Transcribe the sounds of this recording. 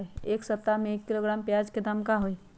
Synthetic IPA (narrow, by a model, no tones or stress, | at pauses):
ieːksəp̚t̪amẽeːkːiloɡɾaːmpjad͡ʒked̪ʱəmkaɦoi